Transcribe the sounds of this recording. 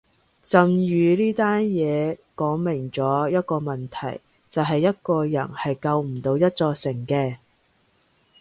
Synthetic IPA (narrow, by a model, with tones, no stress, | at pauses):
t͡sɐ˨mɥyː˨˧liː˥t̪aː˥njɛː˨˧kɔː˨˥ŋmɪ˨˩ŋt͡sɔː˨˥jɐ˥t̚kɔː˧mɐ˨nt̪ʰɐ̰˨˩j | t͡sɐ˨wɦɐ˨jːɐ˥t̚kɔː˧jɐ˨˩nhɐ˨jkɐ˧wm̩˨˩t̪o˨˧wjɐ˥t̚t͡sɔː˧sɪ˨˩ŋkɛː˧